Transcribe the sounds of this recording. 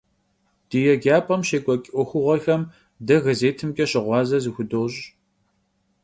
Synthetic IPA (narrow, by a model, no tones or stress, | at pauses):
d̥ijɛɡaːpʼɐmɕeːkʷʼɔkʲʼʔʷɔxʷʊʁʷɐxɐm | dɐɣɐzeːtʰɨmkʲʼɐɕɪʁʷɑːzɐzɨxʷʊdoːɕʼ